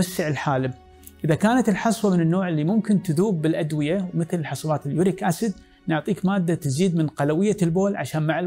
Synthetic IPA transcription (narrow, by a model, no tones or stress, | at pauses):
asːɪʕɪlħaːlɪm | ʔɪðakaːnat̪ɪlħɑsˤwɑmɪnɪnːoːʕɪlːimʊmkɪnt̪ɪðuːbːɪlʔad̪wɪjawmɪθlɪlħɑsˤbaːt̪ɪlːijʊɾikʔasɪd̪ | nʊʕt̪ˤiːkmaːd̪ːat̪ɪziːd̪mɪnqɑlawɪjːalboːlʕa̰ʃaːnmaʕɪl